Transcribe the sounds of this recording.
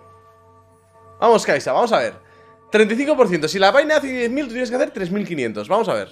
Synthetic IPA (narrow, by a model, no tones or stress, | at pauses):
bamo̞skajsaβamo̞saβ̞e̞̰ɾ | t̪ɾe̞nt̪ajθiŋkopo̞ɾθje̞nt̪os̬ilaβajnaaθeðjeθmilt̪ut̪jens̬keθeɾt̪ɾe̞zmilkinjẽ̞nt̪o̞zβamosaβ̞e̞̰ɾ